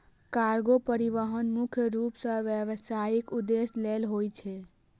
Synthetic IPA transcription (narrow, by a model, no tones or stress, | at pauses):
kaɾɡopəɾiʋəɦənmʊkʰjəɾupsə̃ʋjəʋsaikud̪eslelɦojt͡ʃʰɛ